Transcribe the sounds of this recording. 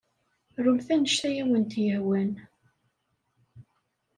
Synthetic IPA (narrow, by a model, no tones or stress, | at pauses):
ɾˤumθænəʃt̪æjæwənt̪jəhwæn